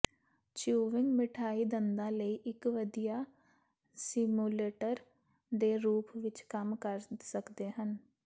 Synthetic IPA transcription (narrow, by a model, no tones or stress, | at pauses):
t͡ʃuːʋɪŋɡmɪʈʰaːiːd̪ənd̪ãːləiːʔɪkʋəd̪ijaː | sɪmuːleːʈəɾ | d̪eːɾuːpʰʋɪt͡ʃkəmkəɾsəkd̪eːɦən